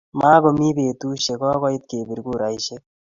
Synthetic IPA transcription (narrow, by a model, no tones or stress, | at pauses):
maːɡomiːbeːt̪uːɕeɡɔːɡɔit̪̚keːbiɾɡuːɾajɕe